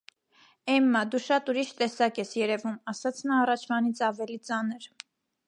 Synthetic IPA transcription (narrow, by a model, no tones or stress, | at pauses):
ɛmːɑd̪uʃɑt̪uɾiʃt̪ɛsɑkɛsjɛɾɛvumɑsɑt͡sʰnɑːrɑt͡ʃʰvɑnit͡sʰɑvɛlit͡sɑnəɾ